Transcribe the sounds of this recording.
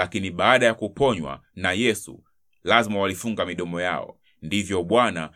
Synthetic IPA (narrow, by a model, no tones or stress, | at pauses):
lakiniɓaːɗajakupɔɲwa̰najɛsṵ | lazmawalifuŋɡamiɗɔmɔja̰ɔ̰ | ndivjɔɓwana